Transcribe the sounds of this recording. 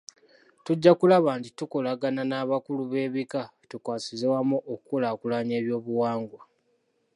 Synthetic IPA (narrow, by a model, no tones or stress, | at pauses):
tuɟːakulaβantitukolaɡananaːβakuluβe̞ːβikatukwaːsizewamuʔokukolaːkulaɲe̞ːβjo̞ːβuwaːŋɡwa